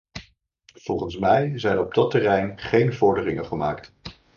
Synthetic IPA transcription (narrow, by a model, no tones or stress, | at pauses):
v̥ɔlˠχənsmɛjzɛjnɔb̚dɑtərɛjnχejnvɔɹdərɪŋəχəmaːkt